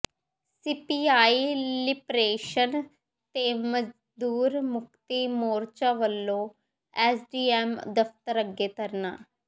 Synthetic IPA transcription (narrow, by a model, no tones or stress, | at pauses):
siːpiːaːiːlɪpɾeːʃən | t̪eːməd͡ʒ | d̪uːɾmʊkt̪iːmoːɾt͡ʃaːʋəlːõː | ɛsɖiːɛːmd̪əft̪əɾəɡeːt̪əɾna̰ː